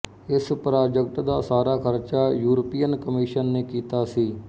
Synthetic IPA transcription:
ɪspɾaːd͡ʒək̚ʈ̪d̪aːsaːɾaːkʰəɾt͡ʃaːjuːɾəpiːənkəmiːʃənːeːkiːt̪aːsiː

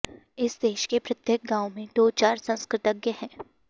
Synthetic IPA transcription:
ɪsd̪eːʃkepɾɐt̪jək̚ɡãːwmẽd̪oːt͡ʃaːɾsɐ̃nskɾɪt̪əɡjəhɛ̃ː

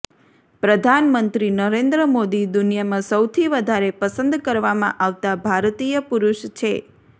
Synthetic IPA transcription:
pɾəd̪ʱanmənt̪ɾinəɾẽnd̪ɾəmod̪id̪unjamãsəwt̪ʰiʋəd̪ʱaɾepəsə̃nd̪kəɾʋamã̰ʔaʋt̪abʱaɾt̪ijəpuɾuʃt͡ʃʰe

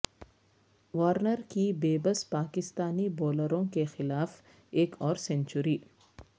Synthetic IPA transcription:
ʋaːɾnəɾkibeːbəspaːkɪst̪aːniboːləɾõkexɪlaːf | eːkʰɔːɾsẽnt͡ʃʊɾiː

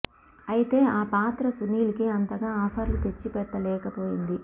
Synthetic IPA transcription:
ɐjit̪e̞ːaːpaːt̪ɾɐsunːiːlikeːɐnt̪ɐɡaːaːfaːɾlut̪et͡ʃːipɛʈːɐlɛːkɐpoːjind̪i

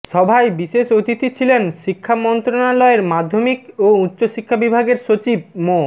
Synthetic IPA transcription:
ʃɔbʱaebiʃeʃot̪it̪it͡ɕʰilenʃikʰːamɔnt̪ɾonalɔeɾmad̪ʱːomikoutːɕoʃikʰːabibʱaɡeɾʃot͡ɕibmo

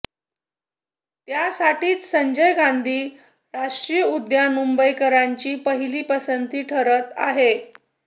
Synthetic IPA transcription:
t̪jasaʈiːt͡s̪səɲd͡ʑəjɡand̪ʱiː | ɾaʂʈɾijəud̪jamumbəjkəɾaɲt͡ɕiːpəɦiliːpəsənt̪iːʈʰəɾət̪a̰ɦe

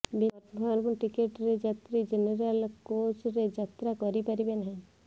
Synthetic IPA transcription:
biʈaɾbʊnʈikeʈɾed͡ʒat̪ɾid͡ʒeneɾəlkoːt͡ʃɾed͡ʒat̪ɾakɔɾipɐɾibenɦɛ̃

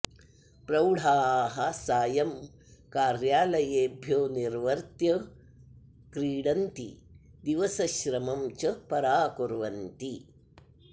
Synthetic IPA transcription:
pɾɐwɽʱaːɦɐsaːjɐm | kaːɾjaːlɐjeːbʱjoːniɾʋɐɾt̪jɐ | kɾiːɽɐnt̪ḭ | d̪iʋɐsɐʃɾɐmɐmt͡ʃɐpɐɾaːkoɾʋɐnt̪i

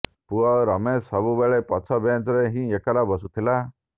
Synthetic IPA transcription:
puɔɾɔmesɔbubeɭepɔt͡ʃʰɔbent͡ʃɔɾeɦĩekɔɾabɔsut̪ʰila

